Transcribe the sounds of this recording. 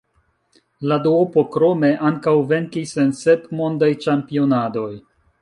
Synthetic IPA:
laduopo̞kɾo̞me̞ʔaŋkawve̞ŋkisense̞tmo̞ndajt͡ʃampio̞nado̞j

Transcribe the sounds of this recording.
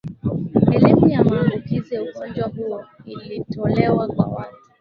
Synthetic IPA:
elemĩamãlokizeosɔ̃d͡ʒɔbʊwoilitolɛwaɡ͡ba̰wa

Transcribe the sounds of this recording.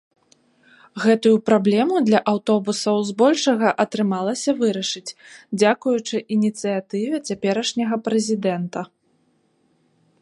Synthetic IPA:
ɣɛt̪ujupɾablʲɛmud̪lʲɐʔawt̪ɔbusɐwzbɔlʲʂɐɣɐʔɐt̪ɾɨmalˠɐsʲɐvɨɾɐʂɨt͡sʲd͡zʲakujut͡ʂɨʔinʲit̪sɨjat̪ɨvʲɛt͡sʲapʲɛɾɐʂnʲɐɣɐpɾɛzʲid̪ɛnt̪ɐ

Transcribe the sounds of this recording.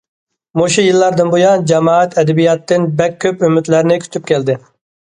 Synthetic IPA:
moʃujɨlˠːɑɾd̪ɨnbojɑnd͡ʒɛmɑːɛt̪ʰɛd̪ɛbijɑt̪ːɪnbɛkʲʰːøpymyt̪læɾɪnɪkʲʰy̥t̪ʰyp̚kʲʰɛld̪ɪ

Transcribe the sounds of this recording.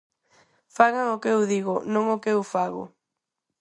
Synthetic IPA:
faɣaŋokewðiɣonõŋokewfaɣo̰

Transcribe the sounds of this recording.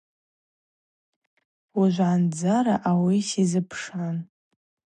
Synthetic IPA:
uʒʷʕand͡zaɾaʔawisizɨpʰʂan

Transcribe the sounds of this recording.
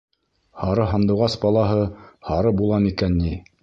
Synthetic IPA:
hɑɾɤɦɑnd̪ɤ̆wʁɑsbɑlˠɑɦɤhɑɾɤbulˠɑmikænːi

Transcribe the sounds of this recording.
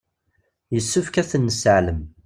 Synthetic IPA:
jəsːəfkæθənːəsəʕləm

